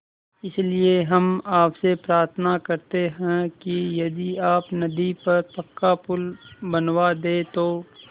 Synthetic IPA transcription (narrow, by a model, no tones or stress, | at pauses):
ɪslieɦɐmaːpsepɾaːɾt̪ʰənakɐɾt̪eɦɛ̃kijɐd̪iaːpnɐd̪ipɐɾpɐkːapʊlbɐnwad̪eːt̪oː